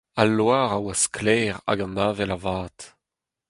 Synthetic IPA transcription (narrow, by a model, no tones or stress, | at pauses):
alːwaːʁawasklɛːʁa̰ɡamaːvɛlavaːt̪